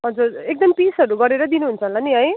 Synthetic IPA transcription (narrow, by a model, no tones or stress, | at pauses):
ɦʌd͡zuɾek̚d̪ʌmipisʌɾuɡʌɾeɾʌd̪inuɦunt͡sʰʌnlaniɦʌj